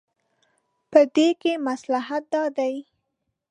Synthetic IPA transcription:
pəd̪ekemaslaɦat̪̚d̪ɑd̪aj

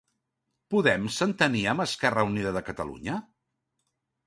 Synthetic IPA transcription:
puðɛmsənt̪əniəməskɛrəuniðəðəkət̪əlṵɲə

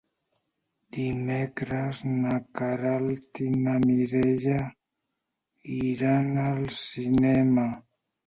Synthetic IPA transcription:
d̪̥imɛkɾəznakaɾalt̪inamiɾeʎa | iɾanalsinɛma

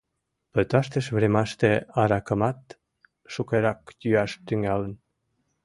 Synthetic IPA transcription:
pøt̪ɑʃt̪eʃβɾemɑʃt̪eɑɾɑkə̆mɑt̪ | ʃukeɾɑkt̪yɑʃt̪yŋælən

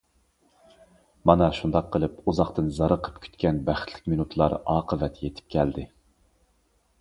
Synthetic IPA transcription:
mɑnɑʃund̪ɑqʰːəlˠɨpuzɑχt̪ɨnzɑɾəqʰə̥pkʲʰy̥t̪kʲɛnbæχt̪ʰlɪ̥k̚ʲminut̪ʰlˠɑ̰ɾɑːqʰəvɛt̪jet̪ʰɪ̥p̚kʲʰɛld̪ɪ

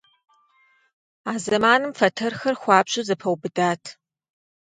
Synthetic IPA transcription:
aːzɐmaːnɨmfɐtʰɐrxɐrxʷɑːpɕʼɪzɐpʰɐwbɨdaːtʰ

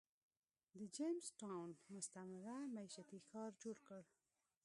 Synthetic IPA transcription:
d̪əd͡ʒemsʈawnmʊst̪amaɾamaiʃat̪ixɑɾd͡ʒoɽkəɽ

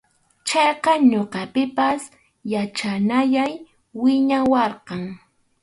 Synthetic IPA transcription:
t͡ʃɑjqɑɲoqɑpɪpas | jat͡ʃanajaj | wɪɲawɑɾqɑŋ

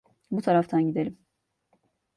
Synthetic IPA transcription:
but̪ʰɑɾɑft̪ʰɑnɡid̪ɛlim

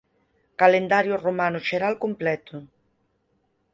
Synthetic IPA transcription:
kalend̪aɾjoromanʊʃeɾalkumplɛt̪ʊ

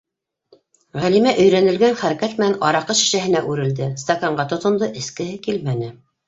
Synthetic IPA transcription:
ʁælimæʔɵ̆jɾænɘ̆lɡænχæɾækæt̪mɘ̆nænʔɑɾɑqɤʃĭ̥ʃæɦɘ̆næʔʉɾɘ̆ld̪ɘst̪ɐkɑɴɢɑt̪ŏt̪ŏnd̪ɤʔɘ̆skɘ̆hɘkilmænɘ

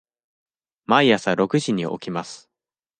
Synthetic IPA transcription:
maijasaɾo̞kɯ̟ʑiɲ̟iʔo̞̰kʲimasɨ̥

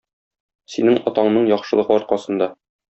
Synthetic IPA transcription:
sinɘŋɒt̪ɑɴnɤɴjɒχʃɤ̆lˠɤ̆ʁɤɒɾqɑsɤ̆nd̪ɑ

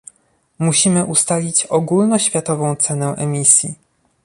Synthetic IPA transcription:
muɕimɘʔust̪alʲit͡ɕɔɡulnɔɕfʲjat̪ɔvɔ̃w̃t̪sɛnɛ̃ʔɛmʲisʲjḭ

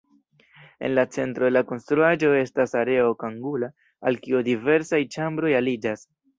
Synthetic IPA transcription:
e̞̰nlat͡se̞ntɾolako̞nstɾuaʒo̞e̞stasaɾe̞o̞kaŋɡula | alkiudive̞ɾsajt͡ʃambɾo̞jalid͡ʒas

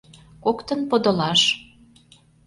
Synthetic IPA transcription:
kokt̪ə̆npod̪ŏlɑʃ

